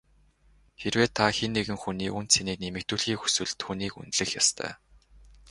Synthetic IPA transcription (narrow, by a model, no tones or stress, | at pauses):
xerweːt̪ʰːaxenːeɣɘ̆ŋxuniːunt̪seniːk̚nemɘ̆k̚t̪uːɮxiːxu̥swɘ̆ɮt̪xuniːkṵnt̪ɮɘ̆xjast̪ʰœ̰ː